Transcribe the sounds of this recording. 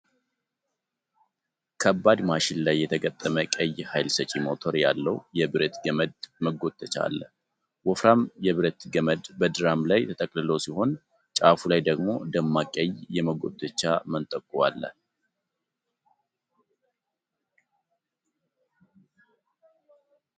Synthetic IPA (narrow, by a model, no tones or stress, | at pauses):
kʰəbːad̪maʃɪnlajːɛt̪ʰəɡət̪ʼːəməkʼəjːhajlsət͡ʃʼimo̞t̪ʰo̞ɾjalːəwjɛbɨɾət̪ɡəməd̪məɡo̞t̪ʰːət͡ʃa̰lːə | wɔfɾamjɛβɨɾət̪ɡəməd̪bəd̪ɨɾamlajt̪ʰət̪ʼəkʼlɨlo̞siho̞n | t͡ʃʼafulajd̪əɡmo̞d̪əmːakʼəjjɛməɡo̞̰t̪ʰːət͡ʃːamənt̪ʼəkʼːuwa̰lːə